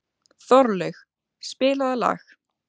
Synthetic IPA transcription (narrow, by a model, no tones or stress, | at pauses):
θɔɾlɛx | spɪːlaðala̰ːx